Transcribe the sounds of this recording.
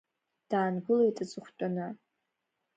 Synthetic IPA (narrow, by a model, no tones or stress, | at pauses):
d̥aːnɡɨlejtʼɨt͡sʼɨχʷt͡pʼana